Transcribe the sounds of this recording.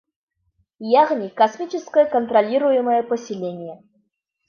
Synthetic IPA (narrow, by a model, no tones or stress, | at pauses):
jaɣnʲikɐsmʲit͡ɕɪskəjəkənt̪ɾɐlʲiɾʊjɪməjəpəsʲɪlʲenʲɪjə